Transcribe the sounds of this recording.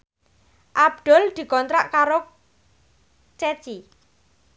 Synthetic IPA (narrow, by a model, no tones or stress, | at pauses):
ʔab̚ɖ̪̥ɔ̤ld̪̥i̤kɔnt̪ɾaʔkaɾo | t͡ʃet͡ʃi